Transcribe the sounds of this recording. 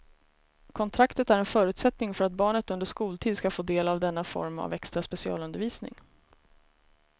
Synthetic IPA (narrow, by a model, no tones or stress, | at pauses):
kʰɔnt̪ʰɾakt̪ət̪æɾɛnfœːɾʉ̟ːt̪sɛt̪nɪŋfœɾat̪̚bɑːɳət̪ɵnd̪əʂkuːlt̪ʰiːd̪skafoːd̪eːlavd̪ɛnːafɔ̰ɾma̰vɛkst̪ɾaspɛsɪɑ̰ːlɵnd̪əɾviːsnɪ̰ŋ